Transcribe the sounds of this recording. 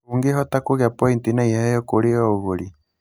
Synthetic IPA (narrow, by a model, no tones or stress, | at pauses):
uŋɡeɦɔtakoɣjapɔintinaihajɔkoɾeɔoɣoɾi